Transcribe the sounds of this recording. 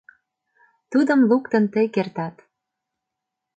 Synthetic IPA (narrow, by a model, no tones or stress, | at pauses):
t̪ud̪ɤ̆mlukt̪ɤ̆nt̪ekert̪ɑt̪